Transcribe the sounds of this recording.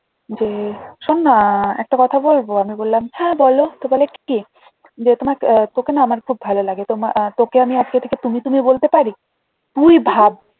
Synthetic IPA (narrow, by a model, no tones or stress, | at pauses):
d͡ʑeʃonːaɛk̚ʈakɔt̪ʰabolboamibolːamhɛ̃bɔlot̪obalekki | d͡ʑet̪omaɾt̪okenaamaɾkʰub̚ʱalolaɡet̪omat̪okeamiad͡ʑɡet̪ʰeket̪umit̪umibolt̪epaɾi | t̪ujbʱab̚